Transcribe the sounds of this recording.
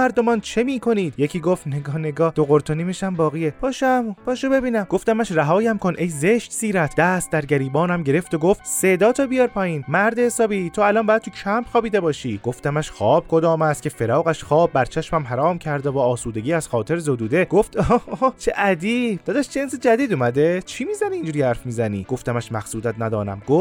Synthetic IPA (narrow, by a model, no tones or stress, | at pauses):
æɾd̪omɒːnt͡ʃʰemiːkʰo̞niːd̪jecʰiːɡoft̪neɡɒːneɡɒːd̪oɣoɾt̪ʰoniːmeʃæmbɒːɣiːepʰɒːʃæmpʰɒːʃobe̞biːnæmɡo̞ft̪æmæʃræɦɒːjæmkʰonʔejzeʃt̪siːɾæt̪ʰd̪æst̪̚d̪æɾɟæɾiːbɒːnæmɟe̞ɾe̞ft̪oɡoft̪sed̪ɒːt̪ʰɔbijɒːɾpʰɒːjiːnmæɾd̪ehesɒːbit̪ʰoælɒnbɒːjæd̪̚t̪ʰucʰæmpʰxɒːbiːd̪ebɒːʃiːɡ̥oft̪æmæʃxɒːb̥̚kʰo̞d̪ɒːmæst̪cʰʲe̞fe̞ɾɒːɣæʃxɒːbːæɾt͡ʃʰæʃmæmɦæɾɒːmcʰæɾd̪evɒːsuːd̪e̞ɡɟiːæz̥xɒːt̪ʰe̞ɾzod̪uːd̪e̞ɡ̥oft̪ot͡ʃʰeʔæd̪iːbd̪ɒːd̪æʃt͡ʃensed͡ʒæd̪iːd̪umæd̪et͡ʃʰimiːzæniiːnd͡ʒuːɾiːhæɾfmiːzæniːɡ̥oft̪æmæʃmæxsuːd̪æt̪næd̪ɒːnæ̰mɡ̥of